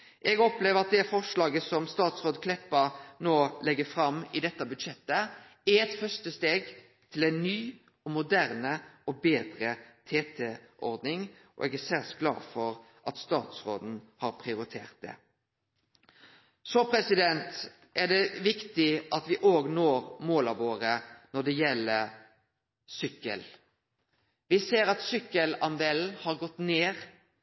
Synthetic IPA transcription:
ʔɛɡɔpleːʋəɑt̪̚d̪ɛfɔʂlɑːɡəsɔmst̪ɑːt̪sʁoːd̪kʰlɛpːəɾnoːlɛɡːəfɾɑmːɪd̪ɛt̪ːɑbʉd̪ʂɛt̪ːə | æɛt̪fœʂt̪əst̪eːɡ | t̪ʰɪlɛɪnnyː | ɔmʊd̪æʁnəɔbeːd̪ɾət̪ʰeːt̪ʰeʔɔɾd̪nɪŋ | ʔɔ̰ʔɛɡæsæʁsɡlɑ̰ːfɔɾ | ʔɑt̪st̪ɑːt̪sɾo̰ːd̪n̩hɑɾpʰɾɪʊɾɪt̪ʰeːʁt̪̚d̪ɛ̰ | sɔpʰɾɛsɪd̪ɛnt̪ | ʔæɖɛʋɪkt̪ɪʔɑt̪ʋɪʔoːɡnoːɾmoːlɑʋoːɾənɔɖ̪ɛjɛlːə | sʏkːə̰l | ʋɪseːɾɑt̪sʏkːəlɑnd̪eːln̩hɑɾɡɔt̪ːneːʁ

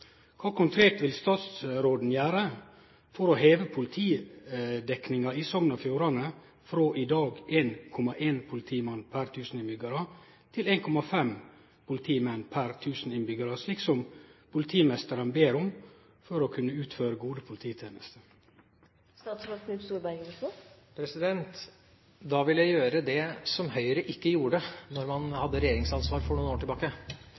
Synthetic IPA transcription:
kʰɑːkʰʊŋkʰɾeːt̪ʋɪlst̪ɑːt̪sɾoːd̪n̩jæːɾə | fɔɾɔheːʋəpʰʊlɪt̪ʰiː | d̪ɛknɪŋɑisɔmnɑfjuːɾɑnə | fɾoːʔɪd̪ɑːɡeːnkʰɔmɑʔeːnpʰʊlɪt̪ʰiːmɛnpʰæɾt̪ʰʉːsn̩ɪnbʏɡɑɾɑ | t̪ʰɪleːnkʰɔmɑfɛm | pʰʊlɪt̪ʰiːmɛnːpʰæɾt̪ʰʉːsn̩ɪnbʏɡəɾəʂliːksɔmpʰʊlɪt̪ʰiːmɛst̪əɾənbeːɾʊm | fɔɾɔkʰʉnːəʉːt̪føːɾəɡuːd̪əpʰʊlɪt̪ʰiːt̪ʰjeːnəst̪ə | st̪ɑːt̪sʋɑɡ̪ʉpst̪uːɾbæɪɡəopʰɾɛsɪd̪ɛnt̪ | d̪ɑʋɪljæɪjøːɾəd̪ɛsɔmhœʏəɾəʔɪkːəjuːɖənɔɾmɑnhɑd̪ːəɾɛjeːɾɪŋsɑnsʋɑːɾfɔɳuːnoːʈɪlbɑːkə

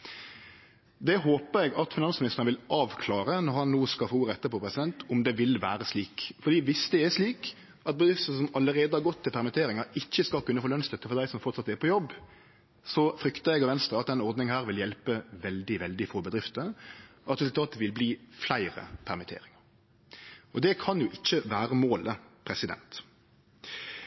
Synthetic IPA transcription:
d̪ɛɦoːpəɾɛɡɑt̪fɪnɑnsmɪnɪst̪əʁnəʋɪlɑːʋkʰlɑːɾənɔɾhɑnːoːskɑfouːɾəɛt̪ːəpɔpʰɾɛsɪd̪ɛnt̪ʊmd̪ɛʋɪlʋæːɾəsliːkfɔɾd̪iːʋɪsd̪ɛæʂliːk | ɑt̪̚bəd̪ɾɪft̪əsɔmɑləʁeːd̪əhɑɾɡɔt̪ʰːɪlpʰæɾmɪt̪ʰeːɾɪŋəɾɪçːəskɑkʉnːəfoːlœnstd̪ɛt̪ːəfɔd̪æɪsɔmfɔʁt̪sɑt̪ːɛpʰɔjɔbː | sɔfɾʏkt̪əɛɡɑʋɛnst̪ʁəɑt̪d̪ɛnɔɾd̪nɪŋhæːɾʋɪljɛlpəʋɛld̪ɪʋɛld̪ɪfɔbəd̪ɾɪft̪əɑt̪ɾɛsʉt̪ɑːt̪ʋɪlbliːflæɪɾə̰pʰæɾmɪt̪ʰḛːɾɪŋəɾ | ɔd̪ɛkʰɑnjʊʔɪçːəʋæːɾəmoːləpʰɾɛsɪd̪ɛ̰nt̪

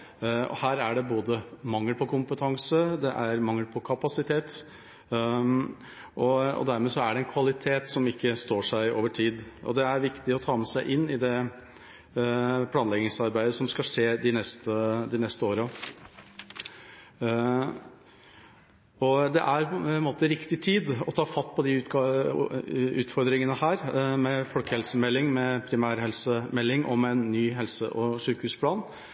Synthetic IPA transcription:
ɔ̰hæːɾæɖɛboːd̪əmɑŋːəlpɔkʊmpət̪ʰɑŋsəd̪ɛʔæɾmɑŋːəlpʰɔkʰɑpɑsɪt̪ʰeːt̪ | ʔɔɔ̰d̪æɾmeːsɔæɖɛɛnkʰʋɑlɪt̪ʰeːt̪sɔmɪkːəst̪oːʂæɪo̰ːʋəʈʰiːd̪ʔɔ̰d̪ɛæɾʋɪkt̪ɪɔt̪ʰɑːmɛsæɪʔɪnːɪd̪ɛ | pʰlɑːnlɛɡnɪŋsɑɾbæɪd̪əsɔmskɑʂeːd̪ɪnɛst̪əd̪ɪnɛst̪əoːɾə | ɔd̪ɛ̰ʔæɾɛnmoːt̪əɾɪkt̪ɪt̪ʰiːd̪ɔt̪ʰɑːfɑt̪ːpʰɔd̪ɪ | ʉːt̪fɔɾd̪ɾɪŋənəhæːɾmɛfɔlkəhɛlsəmɛlːɪŋmɛpʰɾɪmæːɾhɛlsəmɛlːɪŋʔɔmɛɛnːyːɦɛlsə̰ʔɔʂʉːkhʉːspʰlɑːn

